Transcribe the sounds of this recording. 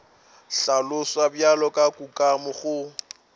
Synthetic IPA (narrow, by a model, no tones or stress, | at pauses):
ɬalʊswabjalɔkʼakʼukʼamʊχʊ